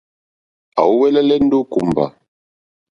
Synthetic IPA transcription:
a̰˨wu˦wɛ˦lɛ˦lɛ˦n̩˦do˦ku˨m˨ba̰˨

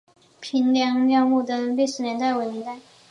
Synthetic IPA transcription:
pʰi˧˥nljɑ˧˥ŋljɑ˥˧mu˥˩d̪ə˩li˥˩ʂɻ̩˧˥njɛ˧˥nt̪a˥˩ɪwe˧˥ɪnjɛ˧˥nt̪a˥˩ɪ

